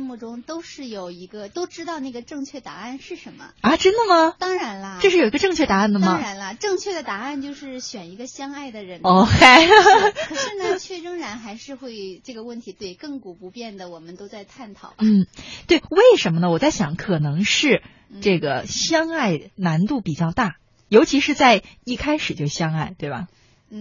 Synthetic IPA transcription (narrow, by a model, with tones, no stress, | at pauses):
mu˥˩ʈ͡ʂʊ˥ŋt̪o˥ʊʂɻ̩˥˩jo˨˩ʊi˧˥ɡə˧t̪o˥ʊʈ͡ʂɻ̩˥t̪ɑ˥˧ʊna˥˩ɡə˩ʈ͡ʂɤ˥˧ŋt͡ɕʰɥɛ˥˩t̪a̰˧˥a˥˩˧nʂɻ̩˥˩ʂə˧˥nmə̰˧ɐ˥˧˩ʈ͡ʂə˥nd̪ə˨mə˩t̪ɑ˥ŋɻa˧˥nlə˧jʂɻ̩˥˩o˨˩i˧˥ɡə˧ʈ͡ʂɤ˥˧ŋt͡ɕʰɥɛ˥˩t̪a˧˥a˥˩nd̪ə˩mɐ˩ɻa˧˥nlə˧ʈ͡ʂɤ˥˧ŋt͡ɕʰɥɛ˥˩d̪ə˩t̪a˧˥a˥˧nt͡ɕjo˥˧ʊʂɻ̩˥˩ɕɥɛ˨˩ni˧˥ɡə˧ɕjɑ˥ŋa˥˩ɪd̪ə˩ɻə˧˥no˧ʊkʰe˥ɪ˧˩ | ʂ̩˥˩na˧˥nt͡ɕʰɥɛ˥˩ʈ͡ʂɤ˥ŋɻa˧˥nxa˧˥ɪʂɻ̩˥˧xwe˥˧ɪʈ͡ʂɤ˥˩ɡə˩wə˥˩nt̪ʰi˧˥t̪we˥˧ɪkɤ˥˩ŋku˨˩pu˧˥pjɛ˥˩nd̪ə˩wɔ˨˩mə˦nt̪o˥ʊt͡sa˥˧ɪt̪ʰa˥˩nt̪ʰɑ˨˩ʊbn̩˧˥˩t̪we˥˩ɪwe˥˩ɪʂə˧˥nmə˧nə˩wɔ˨˩t͡sa˥˩ɪɕjɑ˧˥ŋkʰɤ˨˩nɤ˧˥ŋʂɻ̩˥˧ | ʈ͡ʂɤ˥˩ɡə˩ɕjɑ˥ŋa˥˩ɪna˧˥nt̪u˥˩pi˨˩t͡ɕjɑ˥˧ʊt̪a˥˩ | jo˧˥ʊt͡ɕʰi˧˥ʂɻ̩˥˧t͡sa˥˧ɪi˥˩kʰa˥ɪʂɻ̩˨˩t͡ɕjo˥˧ʊɕjɑ˥ŋa˥˩ɪt̪we˥˩ɪbɐ̰˨˩ | n̩˥˩